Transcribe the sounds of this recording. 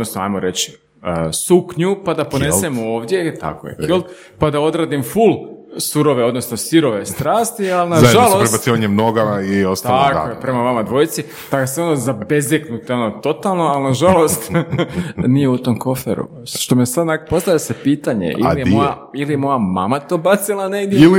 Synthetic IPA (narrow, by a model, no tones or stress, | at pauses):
od̪nosnoa̰jmoɾe̞t͡ɕi̥ | əsukɲupad̪apo̞nessemo̞ːʋd̪je̞t̪a̰ko̰jefilˠt̪ | pad̪ao̞d̪ɾaːd̪imfulsuɾo̞ʋeo̞d̪no̞snosiɾo̞ʋe̞st̪ɾaːst̪ialinaʒʒalˠospɾebat̪tsiːʋaɲemnoɡaaiost̪aakoepɾe̞maʋamad̪ʋo̞jit̪si | t̪aɡaseonozabezeknut̪eo̞not̪o̞t̪alˠnoalnaʒalo̞st̪ | nijeut̪o̞mko̞fḛɾṵ | ʃt̪o̞mesad̪nakopo̞st̪aʋjesepiːt̪aɲḛʔḭlijeojailijemo̞jama̰mat̪o̞ːbat̪silˠaneɡd̪jeili